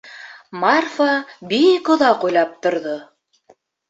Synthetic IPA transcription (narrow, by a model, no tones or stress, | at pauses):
mɑrfabikŏðɑqujlˠɑp̚t̪ŏɾðo